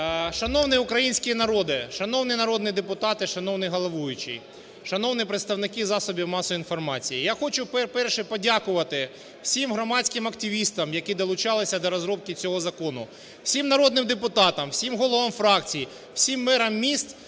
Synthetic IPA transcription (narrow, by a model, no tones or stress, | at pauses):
ʃɐnɔwnɪʊkɾɐjinʲsʲkʲɪnɐɾɔd̪ɪʃɐnɔwnɪnɐɾɔd̪nɪd̪epʊt̪ɑt̪ɪʃɐnɔwnɪɦɔlˠɐʋujʊt͡ʃɪ̰ | ʃɐnɔwnɪpɾɪt̪st̪ɐwnɪkizɑsɔbʲiwmɑsɔinfɔrmɑt͡sʲijijaxɔt͡ʃʊpɛpɛrʃɛpɔdʲakʊʋɐt̪ɪ | w̥sʲimɦɾɔmɑtʲt͡sʲkɪmɐkt̪ʲɪʋʲist̪ɐmjɐkid̪ɔlˠʊt͡ʃɑlˠɪsʲɐd̪ɔɾɔzɾɔp̚kʲɪt͡sʲɔɦɔzɐkɔnʊ̰ | w̥sʲimnɐɾɔd̪nɪmd̪epʊt̪ɑt̪ɐmwsʲimɦɔlˠɔʋɐmfɾɑkt͡sʲiji | w̥sʲimːɛɾɐmːʲist̪